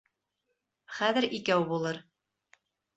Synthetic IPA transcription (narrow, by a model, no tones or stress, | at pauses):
χæðɘɾikæwbulˠɤɾ